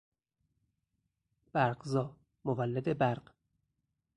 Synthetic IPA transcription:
b̥æɾɢzɒː | movælːed̪ebæɾɢ

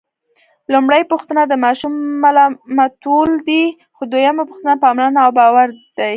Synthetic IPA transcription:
lumɽajpuxt̪ənad̪əmɑʃumːalɑmat̪old̪i | xod̪wojamapuxt̪ənapəɑmlɑnaawbɑwaɾd̪̥aj

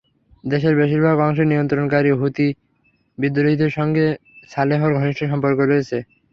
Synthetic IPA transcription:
d̪eʃeɾbeʃiɾbʱaɡɔŋʃ̬eɾnijont̪ɾonkaɾiɦut̪i | bid̪ːoɾoɦid̪ʱeɾʃɔŋɡeʃaleɦoɾɡʱɔniʃʈʰoʃɔmpoɾkoɾojet͡ɕʰe

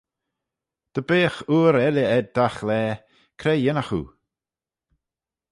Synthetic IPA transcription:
d̪̥əbeːxuːɾɛləɛd̪̚d̪axlɛː | kʰɾɛjɪnaxṵː

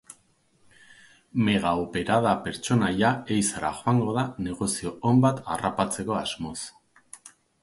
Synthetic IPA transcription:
me̞ɣ̞aope̞ɾað̞ape̞ɾt͡ʃo̞najae̞jsaɾa̰ʝo̞aŋɡo̞ð̞ane̞ɣo̞sio̞ːmbat̪a̰rapat͡se̞ko̞azmo̞s

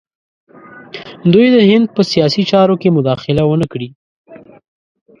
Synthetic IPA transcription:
d̪ujd̪əhɪnd̪̚pəsijɑsit͡ʃɑɾokemʊd̪ɑxɪlawənəkɽi

